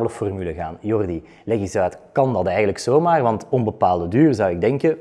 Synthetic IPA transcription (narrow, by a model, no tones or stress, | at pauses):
bələfɔrmyləɣaːnjɔrdi | leɣizaːtkɑndɑtɛjɣənləksoːmaːrʋɑntɔmbəpaːlˠdədyːrzɑwɪɡ̚dɛŋkə